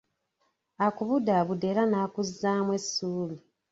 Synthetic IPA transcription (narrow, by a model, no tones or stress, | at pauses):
akuβudaβudelanaːkuzːaːmwe̞sːuːβi